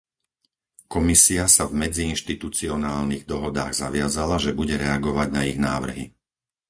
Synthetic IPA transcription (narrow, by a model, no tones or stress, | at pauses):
kɔmisiasavmɛd͡ziːnʃt̪it̪ut͡siɔnaːlniɣd̪ɔɦɔd̪a̰ːɣzaʋɪazalaʒɛbuɟɛɾɛaɡɔʋaɟnaiɣnaːʋr̩ɦḭ